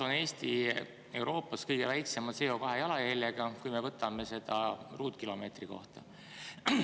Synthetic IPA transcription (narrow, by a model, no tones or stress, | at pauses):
one̞ːst̪i | e̞wɾo̞ːpˑːɑskɤjɡ̥e̞væjkse̞mɑd̪seo̞kɑɦejɑlɑjelʲjeɡ̥ɑkujme̞vɤt̪ːˑɑme̞se̞d̪̥ɑruːt̪kilo̞me̞ːt̪riko̞̰ht̪ɑ̰